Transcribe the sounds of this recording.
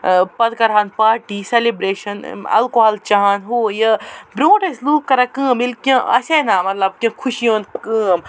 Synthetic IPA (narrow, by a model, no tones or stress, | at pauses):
pɐd̪kɐɾɦanpaːɾʈiːselibɾeːʃɐnɐ̰lkoɦɐlt͡ʃaɦaːnɦoːjəbɾõːʈesluːpkɐɾakɨ̃ːmilkʲɐ̃ʔɐ̰seːnaːmɐt̪lɐb̚kʲɐ̃kʰuʃijõːnkɨ̃ːm